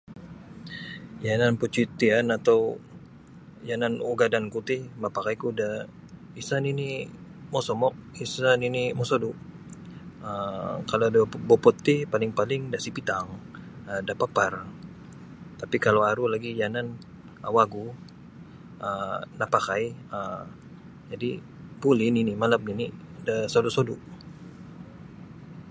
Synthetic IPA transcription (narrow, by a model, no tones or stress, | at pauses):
jananput͡ʃit̪ianat̪aw | jananuɡadankut̪imapakajkuda | isanini | mɔsɔmɔk̚isaninimɔsodu | əkalodabɔpɔt̪ːipalɪŋpalɪŋdaʔsipit̪aŋədapapar | t̪apikalowaɾulaɡijanan | awaɡu | ənapakajə | d͡ʒadi | pulɪninimalam̚nini | dasodusoduʔ